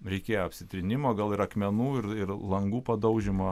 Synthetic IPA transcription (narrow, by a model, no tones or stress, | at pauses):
ɾʲɛɪkʲeːjoɐpʲsʲɪt̪ʲɾʲɪnʲɪmoːɡɐlˠɪɾɐkmʲɛnuːɪɾɪɾlˠɐŋɡuːpɐd̪ɐʊʒʲɪmoː